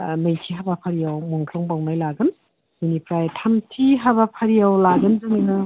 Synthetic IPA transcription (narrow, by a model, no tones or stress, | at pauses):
mɯjtʰiɦabapʰaɾijawmuŋtʰɔŋbawnajlaɡɯn | jinipɾajtʰamtʰiɦabapʰaɾijawlaɡɯnzɯŋinɯ